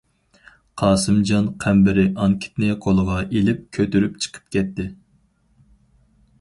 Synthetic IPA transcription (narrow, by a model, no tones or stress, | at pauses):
qʰɑːsɨmd͡ʒɑnqʰæmbɪɾɪʔɑŋkʲʰi̥t̪nɪqʰolˠəʁɑʔelɪp̚kʲʰøt̪yɾypt͡ʃʰə̥qʰə̥p̚kʲʰɛt̪ːɪ